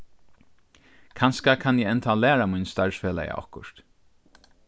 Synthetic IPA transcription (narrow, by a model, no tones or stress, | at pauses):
kʰanskakʰanjɛɛnt̪ʰalɛːɾamujnst̪aɹsfeːla̰ja̰ʔɔ̰hkʊʂt̪